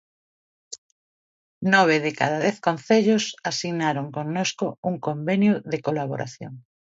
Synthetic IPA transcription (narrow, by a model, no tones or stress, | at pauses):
nɔβ̞ɪðekaðaðɛθkonθeʎosasiɣnaɾoŋkoŋnoskʊuŋkombenjʊðekolaβo̰ɾʔa̰θjo̰ŋ